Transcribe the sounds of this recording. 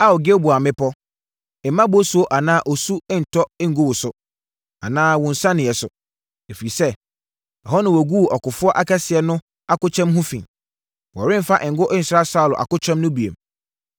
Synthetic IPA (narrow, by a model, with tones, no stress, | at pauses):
a˦ɔ˨ɡe˦bu˨a˨mɪ̃˦pʰɔ˦ | ɪ˨mːã˦bʊ˦o˦su˨o˦ʔa˨nãː˦ʔɔ˨su˦ɪ˦n̩˨tʰɔ˦ɪ˦ŋ̩˨ɡo˦wʊ˨sʊ˨ | ã˨nãː˦wʊ̃˨n̩˨sã˦nɪ̃˨ɛ˨sʊ˨ | e˨fi˨ɾi˨sɛ˦ | ɛ˨ɦɔ˦nʊ̃˨wɔ˨ɡu˦˨ʔɔ˨kʊ˨fʊ˦ɔ˦ʔa˦kʰɛ˦sɪ˨ɛ˨nʊ̃˦ | a˨kʊ˦t͡ɕʰɛ̃˦mɦʊ̃˦fḭ̃˨ | wɔ̰˨ɾɪ̃˦m̩˨fa˦ʔɪ˨ŋ̩˨ɡʊ˦ʔɪ˦n̩˨sɾa˦sa˦˨lʊ˨ʔa̰˨kʊ˦t͡ɕʰɛ̃˦mnʊ̃˦bi˨ḛ˨m